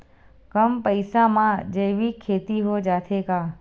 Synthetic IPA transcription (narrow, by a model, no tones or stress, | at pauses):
kəmpəɪsãmãd͡ʒəjʋikʰːeːt̪iɦod͡ʒaːt̪ʰekaː